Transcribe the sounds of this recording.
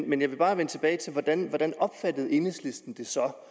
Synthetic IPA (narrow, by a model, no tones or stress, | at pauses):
menjɑ̈ɪʋe̝b̥ɑ̈ːʋenət͡sʰe̝b̥ɛːɪt͡sʰe̝lʋɒd̥ænʋɒd̥ænɒ̽b̥fæd̥ð̞̩ˠe̝neslesd̥n̩d̥e̝sɒ̽